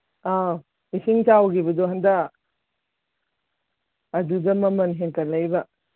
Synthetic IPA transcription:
a | isiŋt͡ʃawɡibɐd̪ɔɦɐnd̪a | d̪udɐmɐmɐnɦeŋkɐlɐjba

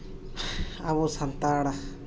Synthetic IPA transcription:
aβusant̪aɽa

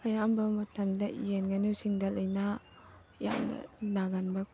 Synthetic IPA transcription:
ɐjambɐmɐtʰɐmdɐjenɡɐnusiŋdɐlɐjnɐ | ja̰mnɐ̰naɡanbɐk

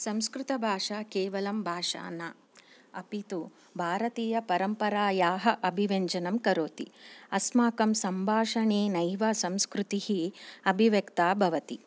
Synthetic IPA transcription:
sɐ̃mskɾut̪ɐbʱaːʂakeːʋɐlɐmbʱaːʂa̰ːnaː | ɐpit̪u | bʱaːɾɐt̪iːjɐpɐɾɐmpɐɾaːjaːɦɐʔɐbʱiʋeɲd͡ʒɐnɐmkɐɾoːt̪iɐsmaːkɐmsɐmbʱaːʂɐɳeːnɐjʋɐsɐmskɾut̪ihiɐbʱiʋjɐkt̪aːbʱɐʋɐt̪i

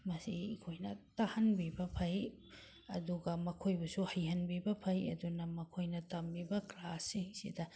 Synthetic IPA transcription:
mɐsḭkʰojnɐtɐhɐnbibɐpʰɐj | ɐ̰duɡɐmɐkʰojbusuhɐjɦɐnbibɐpʰɐjɐ̰dunɐmɐkʰojnɐtɐmbibɐklasːiŋsḭdɐ

